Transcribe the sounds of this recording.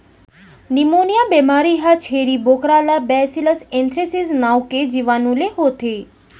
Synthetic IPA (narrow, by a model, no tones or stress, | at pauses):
nimonjabemaɾiɦat͡ʃʰeɾibokɾalabɛsiləsẽnt̪ɾesiznawked͡ʒiʋanũleɦot̪ʰe